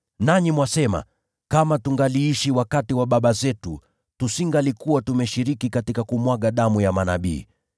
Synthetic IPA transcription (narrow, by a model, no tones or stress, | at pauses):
naɲimwasɛma̰ | kamatuŋɡaliiʃiwakatiwaɓaɓazɛtu | tusiŋɡalikuwatumɛʃiɾikikatikakumwaɠaɗamujamanaɓḭː